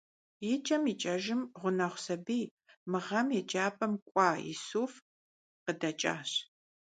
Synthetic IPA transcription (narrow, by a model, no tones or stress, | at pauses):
jɪt͡ʃʼɐmiːt͡ʃʼɐʒɪmʁʷʊnɐχʷsɐbiː | mɨʁɐmjɛt͡ʃʼaːpʼɐmkʷʼɑːḭːsuːf | qədɐt͡ʃʼa̰ːɕ